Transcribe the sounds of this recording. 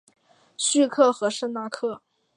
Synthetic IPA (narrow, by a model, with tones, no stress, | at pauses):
ɕy˥˧kʰɤ˥˩xɤ˧˥ʂə˥˧ŋna˥˧kʰɤ˥˩